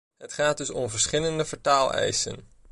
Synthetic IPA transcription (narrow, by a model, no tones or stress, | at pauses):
ɦətχaːd̚dɵsɔmvəɹsχɪləndəfəɹtaːlˠɛ̰jsə̰n